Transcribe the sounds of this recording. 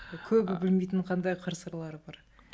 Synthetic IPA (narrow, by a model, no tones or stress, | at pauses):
kʲʰɵbɪbɪlmejt̪ɪɴqʰɑnd̪ɑjqʰəɾsəɾlˠɑɾəbɑɾ